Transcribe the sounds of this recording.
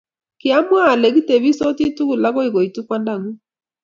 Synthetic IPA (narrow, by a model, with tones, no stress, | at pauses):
kɪ˨a˦mwa˦˨lɛ˨ɣi˦te˨βi˦sɔ˦ti˦tu˦ɣu˨la˦ɣɔ˦i˨ɣo˨i˨tu˦kwa˦nda˦˨ŋu˦